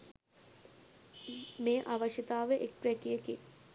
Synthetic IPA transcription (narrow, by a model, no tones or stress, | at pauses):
meːʔaːʋɐʃjət̪aːʋeʔek̚pɾekijəke